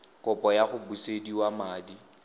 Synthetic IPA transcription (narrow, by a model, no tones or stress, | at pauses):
kʼʊpʼɔjaχʊbusediwamaːdi